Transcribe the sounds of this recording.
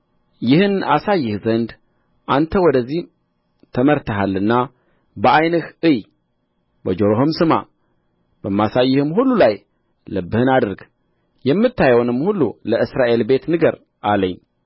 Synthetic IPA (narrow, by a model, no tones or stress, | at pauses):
jɪhɨnasajːɪhzənd̪ | ʔant̪ʰəwɔd̪əzːih | t̪ʰəməɾt̪ʰəɦalːɨnːa | bəajnɨhɨj | bəd͡ʒoɾoɦomsɨma̰ | b̥əmːasajːɪhɨmhulːulaj | ləbːɨhɨnad̪ɨɾɡ | jɛmːɨt̪ʰːajwonɨmːhulːuləɨsɾaʔe̞lbe̞t̪nɨɡəɾ | ʔaləɲː